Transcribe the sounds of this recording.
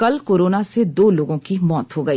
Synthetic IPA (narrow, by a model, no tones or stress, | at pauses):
kɐlkoːɾoːnased̪oːloːɡõkimɔːt̪ɦoɡɐiː